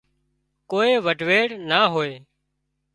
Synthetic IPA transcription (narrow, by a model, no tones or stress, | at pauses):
koːeːʋəɖʱʋeːɽnaːɦoːeː